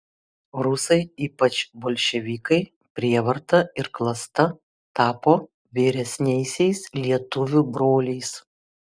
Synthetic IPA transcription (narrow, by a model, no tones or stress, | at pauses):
ɾʊsɐɪiːpɐt͡ʃboːlʲʃʲɛʋʲiːkɐɪ | pʲɾʲiɛʋɐɾt̪ɐɪɾklˠɐst̪ɐ | t̪ɑːpoː | ʋʲiːɾʲɛsʲnʲɛɪsʲɛɪslʲiɛt̪ʊʋʲʊbɾoːlʲɛɪs